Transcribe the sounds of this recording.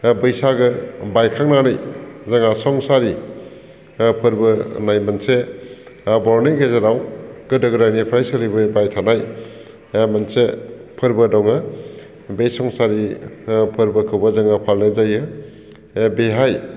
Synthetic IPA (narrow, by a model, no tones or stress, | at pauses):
bɯjsaɡɯbajkʰaŋnaɾɯjzaŋasɔŋsaɾi | pʰɯɾbɯnajmanse | bɔɾneɡezaɾawɡɯdɯɡɯɾajnipʰɾajsɯlijbɯbajtʰanaj | mansepʰɯɾbɯdɔŋa | bejsɔŋsaɾipʰɯɾbɯkʰɯbɯzaŋapʰalnezajɯ | beɦaj